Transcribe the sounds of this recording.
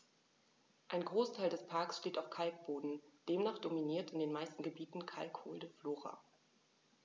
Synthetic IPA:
ʔaɪnɡʁoːstʰaɪldɛspʰaɐksʃteːtaʊfkʰalk̚b̥oːdn̩d̥eːmnaːχd̥ominiːɐtɪndeːnmaɪstn̩ɡəbiːtn̩kʰa̰lkho̰ːldəfloːʁa̰ː

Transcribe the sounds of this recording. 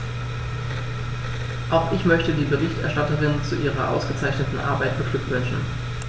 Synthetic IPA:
ʔaʊxʔɪçmœçtədiːbəʁɪçtʔɛɐʃtatəʁɪnt͡suʔiːʁɐ̰ʔa̰ʊsɡ̥ət͡saɪçnətn̩ʔa̰ɐbaɪt̚b̥əɡ̥lʏkv̥ʏnʃn̩

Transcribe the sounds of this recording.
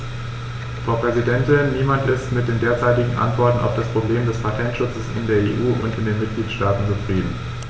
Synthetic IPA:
fʁ̥aʊpʁ̥ɛzidɛntɪnːiːmantɪstmɪt̚d̥eːndeːɐt͡saɪtɪɡŋ̩ʔa̰ntv̥ɔɐtn̩ʔa̰ʊfd̥aspʁ̥obleːmdɛspʰatʰɛntʃʊt͡səsɪ̰ndeːɐeːʔuːʔʊ̰ntɪndeːnmɪt̚ɡ̥liːtʃtaːtn̩t͡sufʁ̥iːdn̩

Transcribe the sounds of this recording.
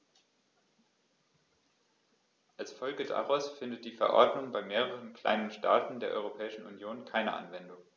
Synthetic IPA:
ʔalsfɔlɡəda̰ʁaʊsfɪndət̚d̥iːfɛɐʔɔ̰ɐdnʊŋbaɪmeːʁəʁənkl̥a̰ɪnənʃtʰa̰ːtn̩deːɐʔɔ̰ʏʁopʰɛːɪʃn̩unjoːnkʰaɪnə̰ʔa̰nvɛndʊŋ

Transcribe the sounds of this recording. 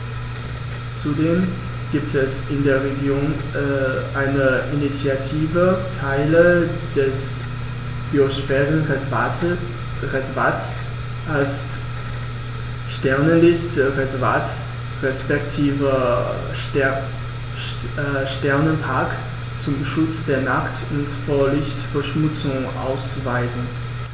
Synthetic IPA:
t͡sudeːm | ɡ̥iːp̚tʰɛsɪndeːɐʁeɡjoːn | ʔaɪnəʔinit͡sjatʰiːvətʰaɪlə | d̥ɛs | b̥ioʃfɛːʁən | ʁɛzvas | ʔals | ʃtɛɐnənlɪstʁɛzvat͡s | ʁɛspɛktʰiːvə | ʃtɛɐnənpʰaɐk | t͡sʊmʃʊt͡sd̥eːɐnaχt | ʊntfoːɐlɪçtfɛɐʃmʊt͡sʊŋʔa̰ʊst͡suvaɪzən̩

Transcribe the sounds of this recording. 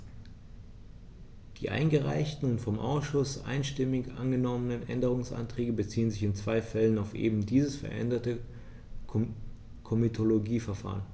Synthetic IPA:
d̥iːʔa̰ɪnɡəʁa̰ɪçtn̩ʊntfɔmʔa̰ʊsʃʊsʔa̰ɪnʃtɪmɪçʔa̰nɡənɔmənənʔɛndəʁ̞ʊŋsʔa̰ntʁ̥ɛːɡəbət͡siːənzɪçɪnt͡sv̥aɪfɛlənaʊfʔḛːbm̩diːzəsfɛɐʔɛ̰ndɐtə | kʰomitʰoloɡiːfɛɐfa̰ːʁən

